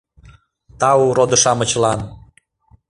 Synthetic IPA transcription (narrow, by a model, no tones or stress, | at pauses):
t̪ɑuɾod̪əʃɑmət͡ɕlɑn